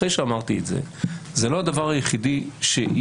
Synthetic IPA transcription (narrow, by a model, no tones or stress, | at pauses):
ejʃeamaʁt̪ietzḛzelo̞ad̪avaʁajeχidiʃe